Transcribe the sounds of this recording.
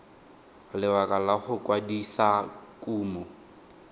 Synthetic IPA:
lɪwakʼalahʊkʼwadisakʼuːmu

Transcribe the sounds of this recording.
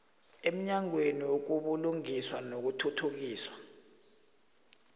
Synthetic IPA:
em̩ɲaŋweniwok̬uɓuluŋiswanok̬utʰutʰuk̬iːswḁ

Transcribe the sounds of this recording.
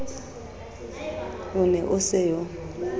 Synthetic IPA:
ʊnɛʔʊsɛjɔ

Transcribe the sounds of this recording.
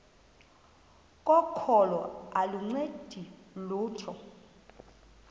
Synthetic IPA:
kʼɔkʰɔlɔaluŋ͡ǀed̥ʱiluːtʰɔ

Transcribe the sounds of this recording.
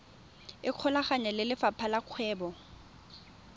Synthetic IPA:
ɪq͡χʰɔlaχaɲalɪlɪfapʰalaq͡χʰwɛːbɔ

